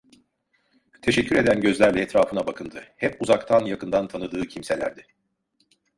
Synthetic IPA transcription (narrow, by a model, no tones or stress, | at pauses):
t̪ʰe̞ʃɛcʰːyɾe̞d̪ænɟø̞zlʲæɾlʲɛːt̪ɾaːfɯnabakʰɯnd̪ɯhɛpuzakt̪ʰanjakɯnd̪ant̪ʰanɯd̪ɯːcʰimse̞lʲæ̰ɾd̪ɪ